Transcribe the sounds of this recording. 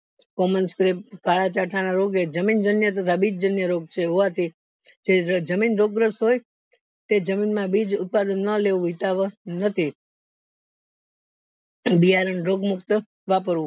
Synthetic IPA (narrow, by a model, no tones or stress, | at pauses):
kɔmənskɾip̚kaɭat͡ʃaʈʰanaɾoɡed͡ʒəmind͡ʒənjət̪̬ət̪ʰabid͡ʒd͡ʒənjəɾoɡ̚t͡ʃʰeɦoʋat̪ʰi | d͡ʒed͡ʒəminɾoɡɾəsɦoj | t̪ed͡ʒəminmãbid͡ʒʊt̪̚pad̪ənːəleʋũɦit̪aʋənət̪ʰi | bijaɾənɾoɡmʊkt̪ə | ʋapəɾʋũ